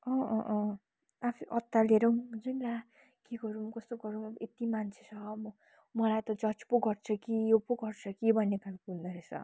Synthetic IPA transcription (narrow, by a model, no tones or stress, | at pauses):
ʌ̃ʔ | apʰiʔʌt̪ːaleɾʌw̃d͡zʌnra | keɡʌɾumkʌst̪oɡʌɾumet̪imant͡sʰe̥t͡sʰʌmʌ | mʌlajt̪ʌd͡zʌt͡spoɡʌrt͡sʰʌkijopoɡʌrt͡sʰʌkibʱʌnːekalkuld̪ʌɾesʌ̰